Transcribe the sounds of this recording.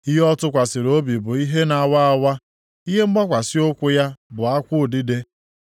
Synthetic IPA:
i˦ɦe˦ɔ˦tʊ˦kʷa˨sɪ˨ɾo˦bi˨bʊ˨i˦ɦe˦na˨wa˦a˨˦wa˦ | i˦ɦe˦m̩˦ɡ͡ba˦kʷa˨sɪ˦o˦kʷʊ˦ja˦bʊ˨a˦kʷʊ˦˨di˦de˦

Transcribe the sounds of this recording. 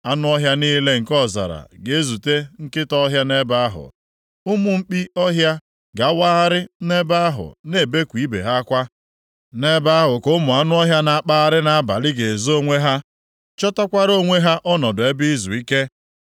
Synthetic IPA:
a˦nʊ˦ɔ˦ɦja˦niː˦le˦ŋ̩˨kɔ˦˨za̰˨ɾa̰˨ɡe˨˦zu˨te˦ŋ̩˦kɪ˦tɔ˦ɦja˦ne˦ba˦a˦ɦʊ̰˨ | ʊ˦mʊ˨ŋ͡m̩˦k͡pi˦ɔ˦ɦja˦ | ɡa˨˦wa˦a˦ɾɪ˦ne˦ba˦a˦ɦʊ̰˨ne˨be˦kʷi˨˦bḛ˨ɦa˦kʷa˦ | ne˦ba˦a˦ɦʊ˨ko˦mʊ˨a˦nʊ˦ɔ˦ɦja˦na˨a˦k͡pa˦a˦ɾɪ˦na˦ba̰˨lɪ˦ɡe˨zo˦ŋʷe˦ɦa˦ | t͡ʃɔ˦ta˦kʷa˦ɾo˦˨ŋʷe˦ɦa˦ʔɔ˦nɔ˨dʊ˨e˦bi˦zṵ˨i˦ke˦

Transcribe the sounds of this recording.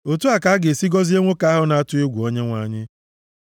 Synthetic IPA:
o˨tu˦a˨ka˨˦ɡe˨si˦ɡɔ˦zi˦e˦ŋʷo˦ka˦a˦ɦʊ˦na˨a˦tʊ˦e˦ɡʷu˨o˦ɲe˦ŋʷa˨ɲɪ˦

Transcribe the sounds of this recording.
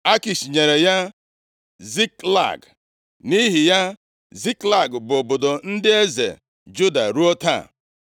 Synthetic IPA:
a˦ki˨ʃi˨ɲe˨ɾe˨ja˦ | zi˦kla̰˨ɡ | ni˦ɦi˨ja˦ | zi˦kla˦˨ɡbʊ˨o˨bo˨do˨n̩˦dɪ˦e˦zḛ˨ | d͡ʒu˦da̰˨ɾu˦o˦ta̰˦˨

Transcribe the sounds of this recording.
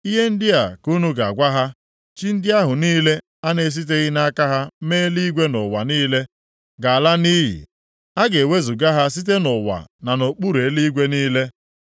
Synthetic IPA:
i˦ɦe˦n̩˦dɪ˦a˨ku˦nu˦ɡa˨ɡʷa˦ɦa˦ | t͡ʃi˦n̩˦dɪ˦a˦ɦʊ˨niː˦le˦ | a˦ne˦s̬i˦t̬e˦ɣɪ˦na˦ka˦ɦa˦meː˦li˦ɡʷe˦nʊ˨wa˨niː˦le˦ | ɡa˨a˨la˦ni˦ɦḭ˨ | a˦ɡe˨we˦zu˨ɡa˦ɦa˦s̬i˦t̬e˦nʊ˨wa̰˨na˨no˨k͡pu˦ɾe˨˦li˦ɡʷe˦niː˦le˦

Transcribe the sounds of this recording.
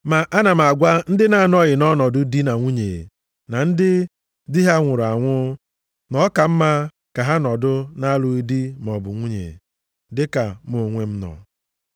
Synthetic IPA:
ma˨ʔa˦na˨m˨a˨ɡʷa˦n̩˦dɪ˦na˨˦˨nɔ˦ɣɪ˨nɔ˦nɔ˨dʊ˦di˦na˨ŋʷu˦ɲḛ˨ | na˨n̩˦dɪ˦ | di˦ɦa˦ŋʷʊ˨ɾa˨ŋʷʊ˦ | nɔ˨˦ka˨m̩˦ma˦ | ka˨ɦa˦nɔ˨dʊ˦na˦lʊ˨i˦di˦m˨ɔ˨bʊ˨ŋʷu˦ɲḛ˨ | dɪ˦ka˨mo˨ŋʷe˦m̩˦nɔ̰˨

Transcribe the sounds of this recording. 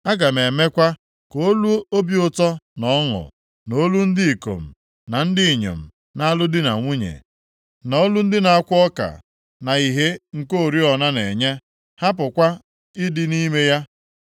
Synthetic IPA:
a˦ɡa˨me˨me˦kʷa˦ | ko˨˦lu˦o˦bi˦ʊ˦tɔ˦nɔ˦ŋʊ̰˨ | no˦lu˦n̩˦dɪ˦i˨ko̰˨m̩˨ | na˨n̩˦dɪ˦i˨ɲḛ˨m̩˨ | na˦a˦lʊ˦dɪ˦na̰˨ŋʷu˦ɲḛ˨ | nɔ˦lu˦n̩˦dɪ˦na˨a˦kʷʊ˦ɔ˦ka̰˨ | na˨i˨ɦe˦ŋ̩˨ko˦˨ɾi˦ɔ˨na˦ne˨ɲe˦ | ha˦pʊ˨kʷa˦ | ɪ˦dɪ˦ni˦me˦ja˦

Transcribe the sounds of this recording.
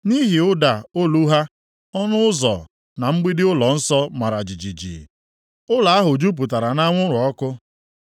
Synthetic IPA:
ni˦ɦi˨ʊ˦da˨o˦lu˦ɦa˦ | ɔ˦nʊ˦ʊ˦zɔ̰˨ | na˨ŋ͡m̩˦ɡ͡bi˦dɪ˦ʊ˦lɔ˨n̩˦sɔ˦ma˨ɾa˨d͡ʒi˨d͡ʒi˨d͡ʒḭ˨ | ʊ˦la˨a˦ɦʊ˨d͡ʒu˦p̬u˨ta˨ɾa˨na˦ŋʷʊ˦ɾʊ˨ɔ˦kʊ˦

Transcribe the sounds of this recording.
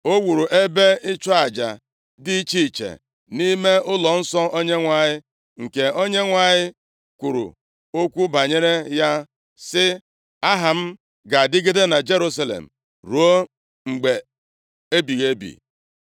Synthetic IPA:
o˦wu˨ɾu˨ʔe˦be˦ɪ˦t͡ʃɔ˦a˨d͡ʒa̰˨ | di˦t͡ʃi˦˨t͡ʃḛ˨ | ni˦me˦ʊ˦lɔ˨n̩˦sɔ˦o˦ɲe˦ŋʷa˨ɲɪ˦ | ŋ̩˨ke˨o˦ɲe˦ŋʷa˨ɲɪ˦ | kʷu˨ɾṵ˨ | o˦kʷu˦ba˨ɲe˦ɾe˦ja˦ | sɪ˦ | a˦ɦa˨m̩˦ | ɡa˨dɪ˦ɡe˦de˦na˨d͡ʒe˦ɾu˦sa˦lḛ˨m̩˨ | ɾu˨o˦ | ŋ͡m̩˨ɡ͡be˨ | e˦bi˨ɣe˦bḭ˨

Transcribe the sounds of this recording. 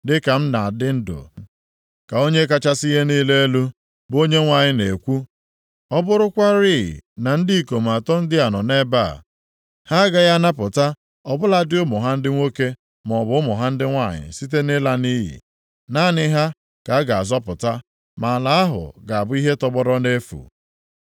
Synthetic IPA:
dɪ˦ka˨m̩˦na˨a˨dɪ˦n̩˦dʊ̰˨ | ka˨o˦ɲe˦ka˦t͡ʃa˦si˦ɦe˦niː˦le˦e˦lu˦ | bo˦ɲe˦ŋʷa˨ɲɪ˨ne˨kʷu˦ | ɔ˦bʊ˦ɾʊ˦kʷa˦ɾḭ˦˨na˨n̩˦di˦i˦˨ko˨m˨a˨tɔ˦n̩˦dɪ˦a˨nɔ˨ne˦ba̰˦˨ | ha˦ɡa˨ja˦na˦pʊ˨ta˦ | ɔ˨bʊ˦la˨dɪ˦ʊ˦mʊ˨ɦa˦n̩˦dɪ˦ŋʷo˦ke˦ | m˨ɔ˨bʊ˦ʊ˦mʊ˨ɦa˦n̩˦dɪ˦ŋʷa˦˨ɲɪ̰˨si˦t̬e˦nɪ˦la˦ni˦ɦḭ˨ | na˦˨nɪ˦ɦa˦ | ka˨˦a˦ɡa˨a˨zɔ˦pʊ˨ta˦ | ma˨la˦a˦ɦʊ̰˨ɡa˨a˨bʊ˦i˦ɦe˦tɔ˦bɔ˦ɾɔ˦ne˦fṵ˨

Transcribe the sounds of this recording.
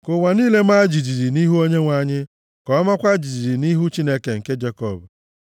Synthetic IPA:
kʊ˨wa˨niː˦le˦m̩˦a˦d͡ʒi˨d͡ʒi˨ɾi˨ni˦ɦu˦o˦ɲe˦ŋʷa˦ɲɪ˦ | kɔ˨˦ma˦kʷa˦d͡ʒi˨d͡ʒi˨ɾi˨ni˦ɦu˦t͡ʃi˦ne˦ke˨ŋ̩˨ke˦d͡ʒe˦kɔ˦˨b

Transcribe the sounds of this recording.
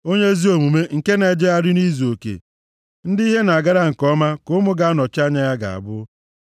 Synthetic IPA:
o˦ɲe˦zi˦o˨mu˨me˦ŋ̩˨ke˦ne˨d͡ʒe˦a˦ɾɪ˦ni˦zu˨o˨kḛ˨ | n̩˦di˦ɦe˦na˨a˨ɡa˦ɾa˦ŋ̩˨kɔ˦ma˦kʊ˦mʊ˦ɡa˨a˦nɔ˨t͡ʃa˦ɲa˦ja˦ɡa̰˨a̰˨bʊ˦

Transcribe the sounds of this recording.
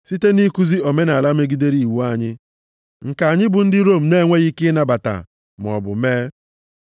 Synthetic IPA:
si˦te˦ni˦ku˦zi˦o˨me˦na˨la˦me˦ɡi˦de˦ɾi˨wu˦a˦ɲɪ˦ | ŋ̩˨ka˨a˨ɲɪ˦bʊ˨n̩˦dɪ˦ɾo˦˨m̩˨ne˦˨ŋʷe˦ɣi˦kɪ˦na˨ba˨ta̰˨ | m˨ɔ̰˨bʊ̰˨meː˦

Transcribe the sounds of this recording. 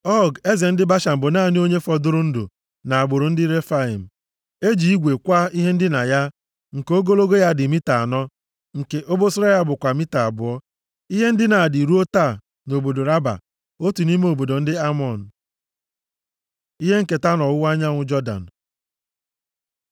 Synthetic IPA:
ɔ˦˨ɡe˦ze˨n̩˦dɪ˦ba˦ʃa˨m̩˨bʊ˨naː˦˨ni˦o˦ɲe˦fɔ˨dʊ˦ɾʊ˦n̩˦do̰˨ | na˨a˨bʊ˨ɾʊ˨n̩˦dɪ˦ɾe˦fa˦i˨m̩˨ | e˦d͡ʒi˨i˦ɡʷe˨kʷa˦i˦ɦe˦n̩˦dɪ˦na˨ja˦ | ŋ̩˨ko˦ɡo˦lo˦ɡo˦ja˦dɪ˨mi˦ta˨a˨nɔ˦ | ŋ̩˨ke˨ʔo˦bo˦sʊ˦ɾa˦ja˦bʊ˨kʷa˨mi˦ta˨a˨bʊ˨ɔ˦ | i˦ɦe˦n̩˦dɪ˦na˨di˨ɾu˦o˦ta˦˨ | no˨bo˨do˨ɾa˦ba̰˨ | o˦tu˨ni˦me˦o˨bo˨do˨n̩˦dɪ˦a˦mɔ˨n̩˨ | i˦ɦe˦ŋ̩˦ke˨ta˦nɔ˨wʊ˦wa˦ɲa˦ŋʷʊ˦d͡ʒɔ˦da̰˨n̩˨

